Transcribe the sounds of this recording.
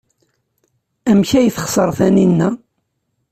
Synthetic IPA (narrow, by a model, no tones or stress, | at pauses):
æmçæjθə̥χsəɾˤθæninːæ